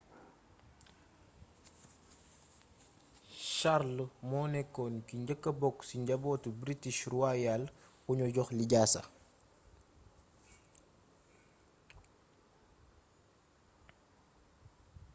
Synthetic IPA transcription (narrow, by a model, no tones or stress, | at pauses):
ʃarlmɔnɛkːɔnkiɲɟəkːɐbɔkːsiɲɟɐbɔːtubɾitiʃruwajalxuɲɔɟɔxliɟaːsɐ̰